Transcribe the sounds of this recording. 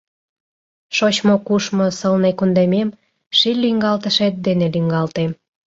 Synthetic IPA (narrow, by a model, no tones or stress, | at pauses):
ʃot͡ɕmokuʃmosəlnekund̪emem | ʃilːyŋɡɑlt̪əʃet̪̚d̪enelyŋɡɑlt̪em